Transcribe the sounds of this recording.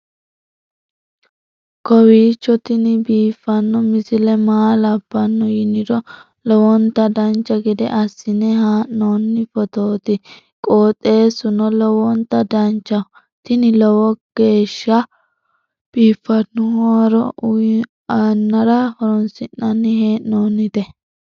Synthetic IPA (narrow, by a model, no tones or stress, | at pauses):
kɔwiːt͡ʃːɔt̪ɪnɪbiːfːɐnːɔmɪsɪlɛmaːlɐb̥ːɐnːɔjɪnɪɾɔ | lɔwɔnt̪ɐd̪ɐnt͡ʃːɐɡɛd̪ɛ̰ʔɐsːɪnɛɦaːnːɔnːɪfɔt̪oːt̪ɪ | kʼoːt̪ʼːe̞ːsʊnɔlɔwɔnt̪ːɐd̪ɐnt͡ʃːɐ | t̪ɪnɪlɔwɔɡ̥e̞ːʃːɐ | b̥iːfːɐnːʊhɔɾɔ | ɐnːɐɾɐhɔɾɔnsɪnːɐnːɪheːʔnoːnːɪt̪ɛ